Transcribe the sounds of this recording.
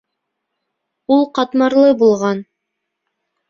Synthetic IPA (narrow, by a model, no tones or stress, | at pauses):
ulˠqɑt̪mɑɾlˠɤbulˠʁɑn